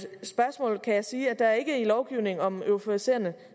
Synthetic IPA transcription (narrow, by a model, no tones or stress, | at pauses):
sb̥ɶɐsmɔ̰̽ːlkʰæjɑsiːæd̥ɑ̈æɐe̝ɡ̥əilɒʊɡ̥iʊne̝ŋɒ̽møopʰoise̝̰ːɐnə